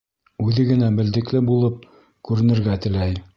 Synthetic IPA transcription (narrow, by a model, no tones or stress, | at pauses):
ʉðɘɡɘ̆næbɘ̆ld̪ɘ̆klɘbulˠɤp̚ | kʉɾɘ̆nɘ̆ɾɡæt̪ɘ̆læj